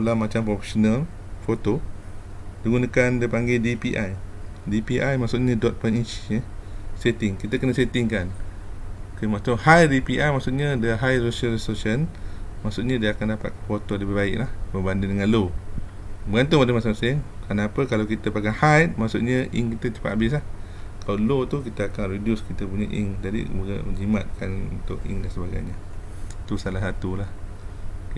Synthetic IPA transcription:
olamat͡ʃampɾɔfe̥sonal | fot̪o | diɡunakandipaŋɡedipiʔaj | dipiʔajmaʔksuʔɲə̃dɔt̪̚pənit͡ʃɲəset̪ɪŋkit̪əkənəset̪ɪŋkan | kəmat̪uʔhajdipiʔajmaʔsuʔ̪̚ɲə̃dəɦajsosəlisosənmaʔsuʔ̚ɲə̃diakandapa̰t̪̚kfot̪odəbibaɪ̰klahbəbandɪndəŋanlo | bəɡant̪umadəmasiŋmasɪŋkənapəkalawkit̪əpaɡanhajt̪̚maʔksʊt̪ʔ̚ɲə̃ʔiŋkit̪ət͡ʃi̥pa̰ʔ̪abɪs̬lahkalalot̪ukit̪əakanɾedjʊskit̪əpuɲaʔḭŋd͡ʒadḭbuɡa̰məd͡ʒima̰t̪̚kʰanṵnt̪ʊʔḭŋdansəbaɡa̰jɲa | t̪usalasat̪ulah

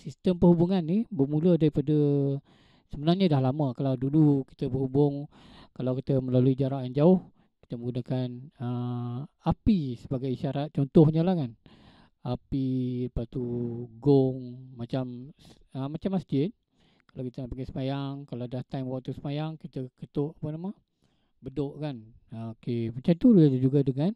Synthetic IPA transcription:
sist̪əmpəɦubuŋanːɪhbəmulədaɾipadə | səbənarɲadahlaməkalawduluki̥t̪əbəɦubʊŋ | kalawkit̪əməlaluid͡ʒaɾaʔjand͡ʒaʊh | ki̥t̪əməŋɡunakanə | apisəbaɡajiʃaɾat̪̚t͡ʃɔnt̪ɔhɲəlahkan | apiləpast̪uɡʊŋmat͡ʃam | əmat͡ʃamast̪ɪn | kalawkit̪ənaʔpaŋɡasəmajaŋkalawdaht̪ajmwak̚t̪usəmajaŋkit̪əkət̪ʊʔapənamə | bədoʔkan | okemat͡ʃamt̪ullad͡ʒad͡ʒuɡadəŋan

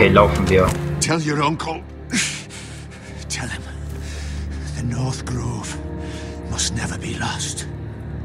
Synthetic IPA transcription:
elɔwfə̃mðiotʰɛlˠjəɹʌ̃ŋkʰəlˠ | tʰɛlˠə̃m | ðənɔːˑθɡ̥ɹoːv̥ | mʌstnɛvəbilɔst

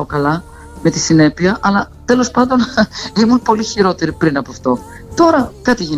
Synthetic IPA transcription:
okɐlɐ | me̞t̪isine̞piɐʔɐlɐ | t̪e̞lo̞spɐnd̪o̞nimunpo̞liçiɾo̞t̪e̞ɾipɾinɐpoɐft̪o̞ | t̪o̞ɾɐkɐt̪iʝin

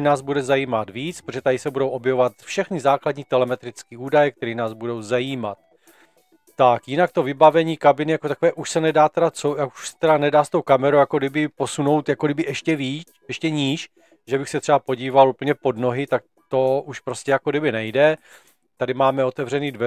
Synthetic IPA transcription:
naːzbudɛzajiːmat̪viːt͡spɾoʒɛt̪adɪsɛbudo̞wʔo̞bjɛvovat̪fʃɛxnɪzaːkladɲiːt̪ɛlɛmɛt̪ɾɪt͡skiːuːdajɛk̚t̪ɛɾiːnaːzbudo̞wzajiːmat̪̚ː | akjɪnak̚t̪o̞vɪbavɛɲiːkabɪnɪjakot̪akovɛːʔuʃsɛnɛdaːt̪ɛdat͡sojakuʃsɛ̥t̪ɛdanɛdaːst̪o̞wkamɛɾowjakoɡdɪbɪpo̞suno̞wt̪jakodɪbɪʔɛʃcɛviːt͡s | ɛʃcɛɲiʃ | ʒɛbɪxsɛt̪r̥ɛapo̞ɟiːvaluːpl̩ɲɛpo̞dno̞ɦɪt̪ak̚ | t̪o̞ʔuʃpɾo̞scʲɛjakoɡdɪbɪnɛjdɛ | t̪adɪmaːmɛo̞t̪ɛvrɛniːdvɛ

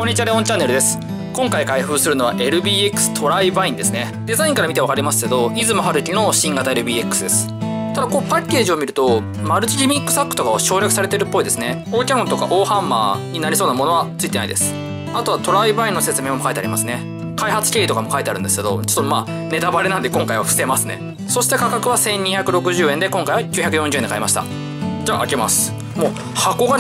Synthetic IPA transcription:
ko̞ɲːit͡ɕiaɾeõ̞ɲt͡ɕãnːe̞ɾɯ̟d̪e̞sɨ̥ | kõ̞ŋkaikaiɸɯ̟ːsɨɾɯ̟noaʔe̞ɾɯ̟bʲiːekːɯ̟̥sɨ̥t̪ʰo̞ɾaibaĩnd̪e̞sɨne̞ | d̪e̞zaĩŋkaɾamit̪e̞βakaɾʲimasɨ̥ke̞d̪o̞izɨmoɦaɾɯ̟kʲino̞ɕĩŋɡat̪ae̞ɾɯ̟bʲiːekːɯ̟̥sɨd̪e̞sɨ̥ | t̪ad̪akoːpakʲːe̞ːʑio̞mʲiɾɯ̟t̪o̞ | maɾɯ̟t͡ɕiɾʲimʲikːɯ̟̥sakːɯ̥t̪o̞kaβaɕo̞ːɾʲjakɯ̟saɾe̞t̪e̞ɾɯ̟pːo̞id̪e̞sɨne̞ | o̞ːkʲãŋɡot̪o̞ka̰ʔo̞ːhãmːa̰ːɲ̟inaɾʲisoːnamo̞no̞ɡat͡sɨit̪ena̰id̪e̞sɨ̥ | at̪o̞βat̪o̞ɾaibaĩnːose̞t͡sɨme̞ːmo̞kait̪eaɾʲimasɨne̞ | kaihat͡sɨ̥kʲeːit̪o̞kamo̞kait̪e̞aɾɯ̟nd̪e̞sɨ̥ke̞d̪o̞̰t͡ɕo̥t̪ːomaː | ne̞t̪abaɾenand̪e̞koŋkaiβaɸɯ̟se̞masɨne | so̞ɕi̥t̪e̞kakakɯ̟βasẽ̞ɲ̟ːiçakɯ̟ɾo̞kɯ̟ʑɨːẽ̞nd̪e̞kõ̞ŋkaijβakʲɨçakɯ̟jõɲd͡ʑɨɯend̪ekaimaɕi̥t̪a̰ | d͡ʑaːʔakema̰sɨ̥ | moː | hako̞ɡa

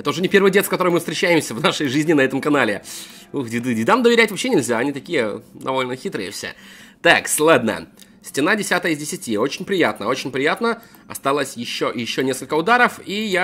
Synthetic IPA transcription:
ɛt̪əʊʐɛnʲɪpʲe̞rvɨjdʲekɐt̪o̞ɾəɨjmɨfst̪ɾʲɪt͡ɕːæɪmsʲəvnaʂəjʐɨzʲnʲɪnɐɛt̪əmkɐnalʲɪ̰ | uɡdʲɪd̪ɨdʲɪd̪amd̪əvʲɪɾʲætʲvɐpɕːenʲɪlʲzʲaɐnʲit̪ɐkʲijəd̪ɐ̰vo̞lʲnəxʲit̪ɾɨ̰jə̰fsʲḛt̪aksʲlˠad̪nə̰jə̰ | sʲtʲɪnadʲɪsʲat̪əjəɪzʲdʲɪsʲɪtʲio̞t͡ɕɪnʲpɾʲɪjat̪nəo̞t͡ɕɪnʲpɾʲɪjat̪nə | ɐ̰st̪alˠəsʲjɪɕːojɪɕːonʲe̞skəlʲkəʊd̪aɾəfija

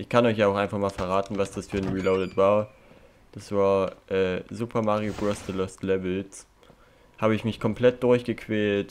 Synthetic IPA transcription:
ʔɪçkʰanɔʏç̬jaːaʊxʔaɪnfaχmaːlfɛɐʁ̞aːtn̩vasd̥asfyːɐnʁiːloʊdətv̥aːɐ | d̥asv̥aːɐʔɛːzuːpʰɐmaʁioɡʁɛstəlɔstlɛvl̩t͡s | haːbəɪçmɪçkʰɔmplɛt̚d̥ʊɐçɡ̥əkʰv̥ɛːlt

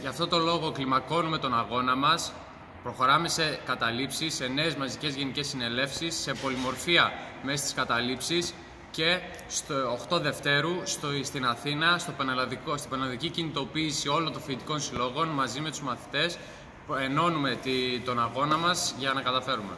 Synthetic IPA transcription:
ʝɐft̪o̞t̪o̞lo̞ɣo̞klimɐko̞nume̞t̪o̞nɐɣo̞nɐmɐs | pɾo̞xo̞ɾɐme̞se̞kɐt̪ɐlipsisːe̞ne̞ːzmɐzice̞zʝe̞nice̞sːine̞le̞fsisːe̞po̞limo̞ɾfiɐ | mest̪i̥skɐt̪ɐlipsis | ce̞ | st̪ooxt̪o̞ðe̞ft̪e̞ɾust̪st̪inɐθinɐst̪opɐnɐlɐðikost̪ibɐnɐlɐðicicinit̪o̞piːsio̞lont̪o̞ɱfit̪iko̞nsilo̞ɣo̞nmɐzime̞t̪uzmɐθi̥t̪e̞s | pe̞no̞nume̞t̪t̪o̞nɐɣo̞nɐmɐzʝɐnɐkɐt̪ɐfe̞ɾume̞̰

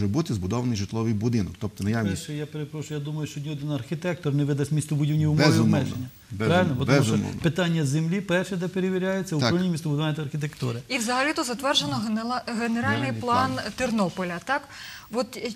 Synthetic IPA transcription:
ʒɛbut̪ɪzbʊd̪ɔʋɐnɪjʒɪt̪lˠɔʋɨjbʊd̪ɪnɔkt̪ɔp̚t̪ɔnɐjaʃɛjapeɾepɾɔʃʊjad̪umɐjʊʃt͡ʃɔd̪ʲiɔd̪ɪnɐrxʲɪt̪ɛk̚t̪ɔrnɛʋɪd̪ɐsʲmʲist̪ɔbʊdʲiʋnʲiwmɛʋmmɛʒḛnʲːɐ | bɾɑʋɪlʲnɔbɔtbɔmuɔmɔ̰npɪt̪ɑnʲːɐzemlʲipɛrʃɛd̪ɛpeɾeʋʲiɾʲajet͡sʲːɐʊɾɔlnʲimʲist̪ɔbʊd̪ʊʋanʲːɐt̪ɐɐrxʲit̪̬ekt̪ṵɾɪiwzɐɦɐlʲit̪ʊzɐt̪ʋɛrʒenɔɦeneɾɑlʲnɪjplˠɑnt̪ɪrnɔpɔlʲɐt̪ɑkʋɔt̪

